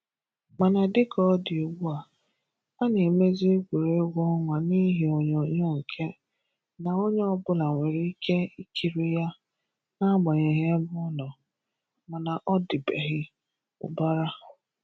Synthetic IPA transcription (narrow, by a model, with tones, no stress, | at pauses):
ma˨na˨dɪ˦kɔ˨˦dɪ˨o˨wu˦a˨ | a˦ne˨e˨me˦zi˦e˦ɡʷu˨ɾe˦ɡʷɔ˦ŋʷa˨ni˦ɦi˨o˨ɲɔ˨˦ɲɔ˦ŋ̩˨kʰe˦ | na˨o˦ɲe˦ɔ˦bʊ˦la˨ŋʷe˨ɾi˦i˦kʰe˦i˦kʰi˨ɾi˦ja˦ | na˦ɡ͡bɔ˨ɲe˨ɦe˦mʊ˦ɔ˦nɔ˨ | ma˨na˨ʔɔ˦dɪ˨bḛ˨ɦɪ˦ | ʊ̰˨ba˦ɾa˦